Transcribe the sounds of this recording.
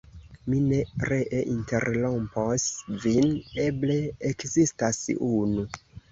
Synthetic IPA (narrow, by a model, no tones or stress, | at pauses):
mine̞ɾeʔeʔinte̞ɾlomposvineble̞ːkzistasunu